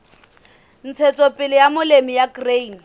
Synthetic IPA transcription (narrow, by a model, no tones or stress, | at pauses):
n̩t͡sʰɛt͡sʼɔpʼɪlɪjamʊlemijaɡrein